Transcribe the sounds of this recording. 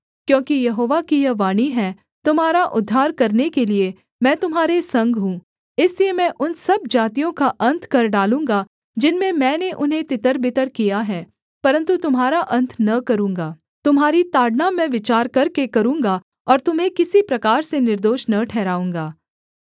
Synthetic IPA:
kjõːkijɐɦoːʋakijɐʋaːɽ̃iɦɛ | t̪ʊmɦaːɾaʔʊd̪ʱːaːɾkɐɾnekelie | mɛ̃ːt̪ʊmɦaːɾesɐ̃ŋɡɦũː | ɪsliemɛ̃ːʔʊnsɐb̚d͡ʒaːt̪ijõkaʔɐ̃nt̪ʰkɐɾɖaːlũːŋɡa | d͡ʒɪnmẽmɛ̃ːneʔʊnɦẽt̪ɪt̪əɾbɪt̪əɾkijaɦɛː | pɐɾə̃nt̪ut̪ʊmɦaːɾaʔɐ̃nt̪ʰnɐkɐɾũːŋɡaː | t̪ʊmɦaːɾit̪aːɽnamɛ̃ʋɪt͡ʃaːɾkɐɾkekɐɾũːŋɡa | ɔːɾt̪ʊmɦẽkɪsipɾɐkaːɾsenɪɾd̪oːʃnɐʈʰɛːɾaːũːŋɡaː

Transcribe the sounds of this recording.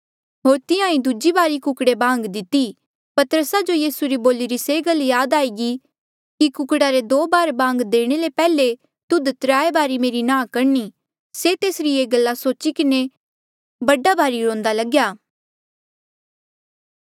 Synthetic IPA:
ɦoːɾt̪ɪjãĩd̪ʊd͡ʒibaːɾikʊkɽebãːŋɡd̪ɪt̪i | pɐt̪əɾəsad͡ʒojiːsuɾiboːliɾiseːɡɐljaːd̪aːiɡi | kikʊkɽaɾed̪oːbaːɾbãːŋɡd̪eːɽ̃elepɛːle | t̪ʊd̪t̪ɾaːebaːɾimeːɾinãːkɐɾni | set̪eːsɾieːɡɐlːasoːt͡ʃikɪne | bɐɖabaːɾiɾõːnd̪alɐɡjaː

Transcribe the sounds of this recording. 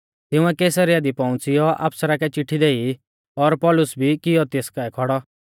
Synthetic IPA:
t̪ɪũɛkeːsəɾɪjad̪ipɔʊ̃t͡sɪjɔʔa̰ːpsəɾakɛt͡ʃɪʈʰːid̪eːi | ɔɾpɔlʊsbʱikɪjɔt̪eːskaɛkʰɔɽɔ

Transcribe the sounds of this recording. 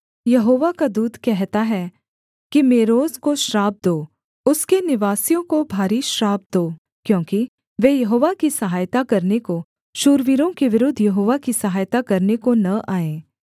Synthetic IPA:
jɐɦoːʋakad̪uːd̪ʱkɛɦt̪aɦɛ | kimeːɾoːzkoʃɾaːb̚d̪oː | ʊskenɪʋaːsijõkobʱaːɾiʃɾaːb̚d̪oː | kjõːki | ʋeːjɐɦoːʋakisɐɦaːjt̪akɐɾneko | ʃuːɾʋiɾõkeʋɪɾʊd̪ʱːjɐɦoːʋakisɐɦaːjt̪akɐɾnekonɐʔaːẽː

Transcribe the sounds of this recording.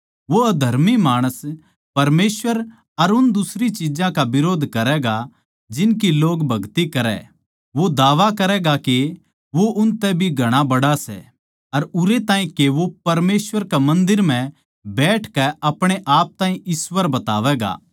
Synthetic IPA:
ʋoɐd̪ʱɐɾmimaːɽ̃əs | pɐɾmeːsʋəɾ | ɐɾʊnd̪ʊsɾit͡ʃɪd͡ʒãkaʋɪɾoːd̪ʱkɐɾɛɡa | d͡ʒɪnk̬iloːɡbʱɐɡt̪ikɐɾɛ̰ | ʋod̪aːʋakɐɾɛɡake | ʋoʔʊnt̪ɛbʱiɡʱɐɽ̃abɐɽasɛ̰ | ɐɾʊɾet̪ãːĩkeʋopɐɾmeːsʋəɾkamɐ̃nd̪ɪɾm̤ɛ̃ | bɛːʈʰkɛɐpɽ̃eʔaːp̚t̪ãːɦĩʔɪsʋəɾbɐt̪a̰ːʋɛːɡa̰ː

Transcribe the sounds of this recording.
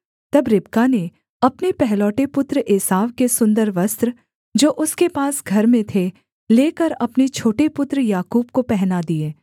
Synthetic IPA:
t̪ɐbɾɪb̚kane | ɐpnepɛɦlɔːʈepʊt̪ɾəʔeːsaːʋkesʊ̃nd̪əɾʋɐst̪ɾə | d͡ʒoːʔʊskepaːsɡʱɐɾmẽt̪ʰe | leːkəɾɐpnet͡ʃʰoːʈepʊt̪ɾjaːkuːbkopɛɦnad̪ieː

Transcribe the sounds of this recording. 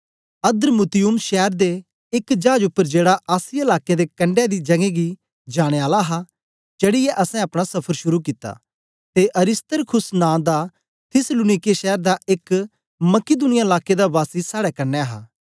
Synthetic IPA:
ɐd̪əɾmʊt̪ɪjʊmʃɛːəɾd̪e | ɪkd͡ʒaːd͡ʒʊpːəɾd͡ʒeːɽaʔaːsɪalaːked̪ekɐ̃ɳɖed̪id͡ʒɐɡẽɡi | d͡ʒaːɽ̃eaːlaɦa | d͡ʒeːɽɪjeʔɐsɛ̃ɐpɽ̃asɐpʰəɾʃʊɾuk̬ɪt̪ːa̰ː | t̪eʔɐɾɪst̪əɾkʰʊsnãːd̪a | t̪ʰɪslʊːnɪkeʃɛːəɾd̪aɪk | mɐkɪd̪ʊnɪjaɪlaːked̪abaːsisaːɽɛkɐɾneɦa̰ː

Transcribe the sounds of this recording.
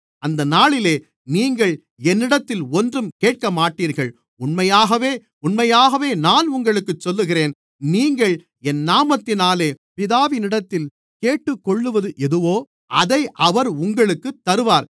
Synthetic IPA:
ɐnd̪ɐnaːɭɪleː | niːŋɡɐɭ | ɛnːɪɽɐt̪ːɪlɔndrɯmkeːʈ̚kɐmaːʈːiːɾɣɐɭ | ʊnmɐjaːɣɐʋeː | ʊnmɐjaːɣɐʋeːnaːnʊŋɡɐɭɯkːɯt͡ʃːɔlːɯɣɪreːn | niːŋɡɐɭ | ɛnːaːmɐt̪ːɪnaːleːpɪðaːʋɪnɪɽɐt̪ːɪl | keːʈːɯkːɔɭːɯʋɐðɯʔɛðɯʋoː | ʔɐðɐɪʔɐʋɐɾʊŋɡɐɭɯkːɯt̪ːɐɾɯʋaːɾ

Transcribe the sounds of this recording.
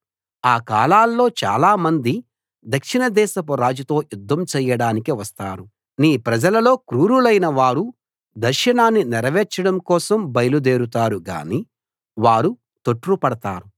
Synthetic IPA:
aːkaːlaːlːo̞ːt͡ʃa̰ːlaːmɐnd̪i | d̪ɐkʂinɐd̪ɛːʃɐp̬ɐɾaːd͡ʒut̪o̞ːjud̪ʱːɐmt͡ʃɛːjɐɽaːnikiʋɐst̪aːɾu | niːpɾɐd͡ʒɐlɐlo̞ːkɾuːɾulɐjnɐʋaːɾu | d̪ɐɾʃɐnaːnːiniɾɐʋɛːt͡ʃɐɽɐmkɔːsɐmbɐjɐlud̪eːɾut̪aːɾuɡa̰ːniː | ʋaːɾu | t̪oʈːɾupɐɽɐt̪aːɾu

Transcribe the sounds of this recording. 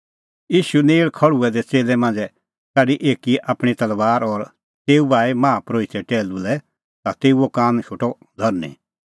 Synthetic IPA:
jiːʃuneːɭkʰɐɽuɛd̪ɛt͡seːlɛmãːnd͡zɛ | kaɖiʔeːkiʔaːpɽ̃it̪ɐlʋaːɾɔɾ | t̪eːubaːimãːpɾoːit̪ʰɛʈɛːlulɛ | t̪at̪eːuokãːnʃʰʊʈɔ | d̪ʱɔɾnḭ

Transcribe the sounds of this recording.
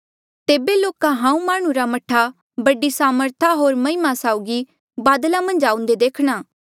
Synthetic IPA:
t̪eːbeloːkãɦãːũmaːɽ̃ũɾamɐʈʰːa | bɐɖisaːməɾt̪ʰaɦoːɾmɐɦɪmasaːʊɡi | baːd̪lamɐ̃nd͡ʒaːʊ̃nd̪ed̪eːkʰɽ̃aː

